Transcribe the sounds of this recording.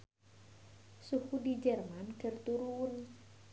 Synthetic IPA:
suhudid͡ʒɛrmanɖ̥ə̤rt̪uɾun

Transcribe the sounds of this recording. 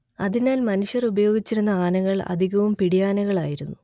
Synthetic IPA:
ɐðinaːlmɐnuʂjɐrubɐjo̞ːɡit͡ɕːiɾunːɐaːnɐŋːɐɭɐ̰d̪ʱiɣɐʋumpiɽijaːnɐŋɣɐɭa̰ːjiɾunːu

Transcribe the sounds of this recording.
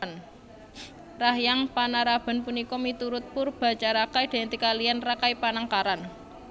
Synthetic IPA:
n | rahjaŋpanaɾab̥a̤npunikɔmit̪uɾʊt̪̚pʊrb̥a̤t͡ʃaɾakajd̪̥e̤t̪ikalijanrakajpanaŋkaɾan

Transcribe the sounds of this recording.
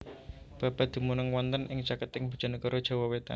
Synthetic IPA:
b̥ä̤b̥a̤d̪̥i̤munəŋwɔnt̪ənʔɪŋt͡ʃakət̪ɪŋb̥ṳ̥d͡ʒ̥a̤nəɡɔɾɔd̥ʒ̥a̤wɔwet̪a̰

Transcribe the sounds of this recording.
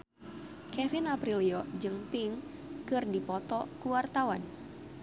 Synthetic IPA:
kɛfinapɾiliɔd͡ʒɨŋpiŋ | kɨrdipɔt̪ɔkuwart̪awan

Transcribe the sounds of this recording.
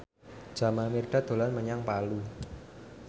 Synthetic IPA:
d͡ʒ̥a̤mamirɖ̥a̤d̪̥o̤lanməɲaŋpalu

